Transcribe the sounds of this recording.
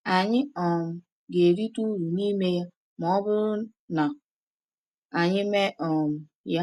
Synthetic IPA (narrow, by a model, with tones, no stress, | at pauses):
a˨ɲɪ˦ɔ˨m̩˨ | ɡe˨ɾi˦tu˦ɾu˨ni˦me˦ja˦ | mɔ˦bʊ˦ɾʊ˦ | na˨ | a˨ɲɪ˦me˦ʔɔ˨m̩˨ | ja˦